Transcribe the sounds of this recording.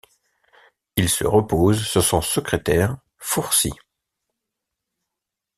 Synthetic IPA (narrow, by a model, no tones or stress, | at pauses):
ilsə̰ʁəpoːzsyʁsɔ̃səkχet̪ɛʁ | fuʁsḭ